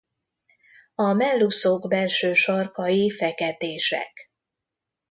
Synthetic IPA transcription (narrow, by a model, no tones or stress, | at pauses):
ɒmɛlːusoɡbɛlʃøːʃɒrkɒjifɛkɛt̪eːʃɛ̰k